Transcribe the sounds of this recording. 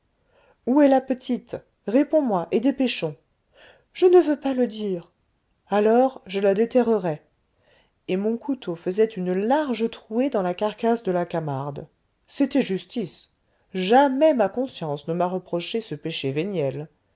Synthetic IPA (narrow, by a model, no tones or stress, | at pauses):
uɛlapət̪ʰit̪ | ʁepɔ̃mwaʔed̪epeʃɔ̃ | ʒ̥ənəvøpaləd̪iːʁ | alɔʁʒəlad̪et̪ɛʁəʁɛ | emɔ̃kut̪ofəzɛt̪ynlaʁʒət̪χued̪ɑ̃lakaʁkasd̪əlakamaʁd̪ | set̪ɛʒyst̪is | ʒamɛmakɔ̃sjɑ̃snəmaʁəpχɔʃesəpeʃevenjɛl